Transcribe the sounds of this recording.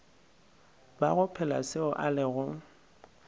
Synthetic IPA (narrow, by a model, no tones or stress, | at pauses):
baɣʊpʰɛlasɪʊʔalɪɣʊ